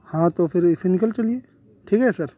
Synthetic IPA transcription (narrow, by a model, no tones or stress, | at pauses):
hãːt̪ofʰɪɾɪsenɪkəlt͡ʃɐlieː | ʈʰiːkɦɛsɐɾ